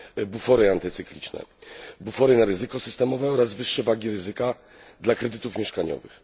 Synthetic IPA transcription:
bufɔɾɘant̪ɘt̪sɘklʲḭt͡ʂnɛ̰bufɔɾɘnaɾɘzɘkɔsɘst̪ɛmɔvɛɔɾazvɘʂːɛvaɡʲiɾɘzɘka | d̪lakɾɛd̪ɘt̪ufmʲjɛʂkaɲɔ̰vɘ̰x

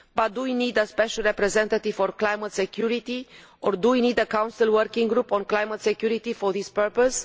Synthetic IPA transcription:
bat̪̚d̪uwinid̪əspɛʃəlɹɛpɾɛzɛ̃nt̪at̪iv̥fɔɾklajmət̪sekjuɾit̪i | oɾd̪uwinid̪əkãw̃nsilwəɾkĩŋɡɾupɔ̃nklajmət̪sekjuɾit̪ifoɾðispəɾpəs

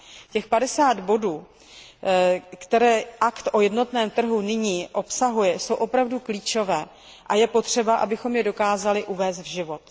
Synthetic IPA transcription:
cɛxpadɛsaːd̪bo̞duː | kt̪ɛɾɛːʔakt̪ʔo̞jɛdno̞t̪nɛːmt̪r̩ɦunɪɲiːʔo̞psaɦujɛso̞wʔo̞pɾavdukliːt͡ʃo̞vɛː | ʔajɛpo̞t̪r̝̥ɛbaʔa̰bɪxo̞mjɛdo̞kaːzalɪʔuvɛːst̪vʒɪvo̞t̪

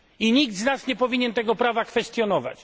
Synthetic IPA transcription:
iɲiɡd̪znasɲɛpɔvʲiɲɛnt̪ɛɡɔpɾavakfɛst̪jɔnɔva̰t͡ɕ

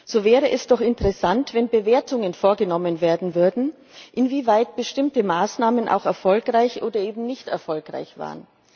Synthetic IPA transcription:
z̥oːvɛːʁəʔɛsd̥ɔχɪntəʁɛsantv̥ɛnbəveːɐtʊŋənfoːɐɡənɔmənveːɐdn̩vʏɐdn̩ | ʔɪnviːvaɪt̚b̥əʃtɪmtəmaːsnaːmənʔa̰ʊxɛɐfɔlkʁaɪçʔoːdɐʔeːbm̩nɪçtɛɐfɔlkʁ̥a̰ɪçv̥a̰ːʁən

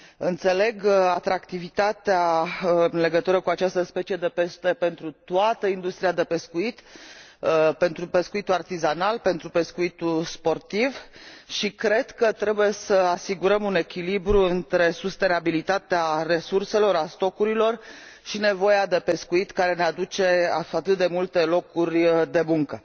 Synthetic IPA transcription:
ɨnt̪se̞le̞ɡat̪ɾakt̪ivit̪at̪eaɨnle̞ɡət̪uɾəkuat͡ʃast̪əspe̞t͡ʃie̞d̪e̞pe̞ʃt̪e̞pe̞nt̪ɾut̪uat̪əind̪ust̪ɾiad̪e̞pe̞skuit̪ | pe̞nt̪ɾupe̞skuit̪uart̪izanalpe̞nt̪ɾupe̞skuit̪ulspo̞rt̪ivʃikɾe̞d̪kət̪ɾe̞buje̞səasiɡuɾəmune̞kʲilibɾuɨnt̪ɾe̞sust̪e̞nabilit̪at̪eare̞surse̞lo̞ɾast̪o̞kuɾilo̞r | ʃine̞vo̞jad̪e̞pe̞skuit̪kaɾe̞nead̪ut͡ʃe̞a̰at̪ɨt̪̚d̪e̞mult̪e̞lo̞kurʲd̪e̞muŋkə

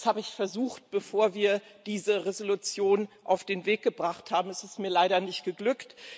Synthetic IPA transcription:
shaːbəɪçfɛɐzuːχt̚b̥əfoːɐviːɐd̥iːzəʁezolut͡sjoːnʔaʊfd̥eːnveːk̚ɡ̥əbʁaχthaːbm̩ɛsɪstmiːɐlaɪɾɐnɪçtɡ̥əɡlʏkt

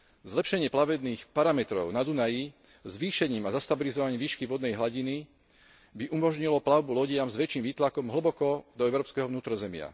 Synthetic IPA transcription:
zlɛpʃɛɲɪɛplaʋɛd̪niːxpaɾamɛt̪ɾɔ̰ʊnad̪unaji | zʋiːʃɛɲiːmazast̪abilizɔʋaɲiːmʋiːʃkiʋɔd̪nɛjɦlaɟini | biʔumɔʒɲilɔplaʊbulɔɟɪamzʋɛt͡ʃiːmʋiːt̪lakɔmɦl̩bɔkɔd̪ɔɛʊɾɔːpskɛɦɔʋnuːt̪ɾɔzɛmɪa̰

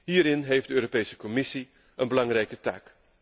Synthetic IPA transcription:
ɦiːɾɪnɦejfdəøːɾopejsə̥kɔmɪsi | ənbəlɑŋrɛjkəta̰ːk

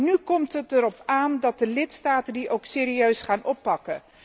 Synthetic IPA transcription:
nykɔmtɦətəɾɔpaːndɑt̚dəlɪtstaːtəndiʔowkseːɾiøɥsχaːnɔpːɑkə

